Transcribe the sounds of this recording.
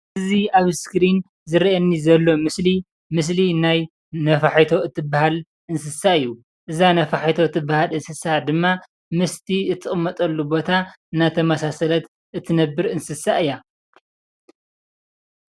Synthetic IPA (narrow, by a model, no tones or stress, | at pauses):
ɨziaβskɾin | zɨɾiʔɐnːizɐlːo̞mɨsli | mɨs̬linaj | nɐfaħajt̪ʰo̞ɨt̪ʰːɨbːahal | ʔɨnsɨsaɨjːu | ʔɨzanɐfaħajt̪ʰo̞ɨt̪ʰːɨbːahalɨnsɨsad̪ɨmːa | mɨst̪ʰiɨt̪ʰʼːɨχʼɨmːɐt̪ʼɐlːubo̞t̪ʰa | ɨnːat̪ʰɐmɐsasɐlɐt̪ | ʔɨt̪ʰːɨnɐbːɨɾɨnsɨsaʔɨja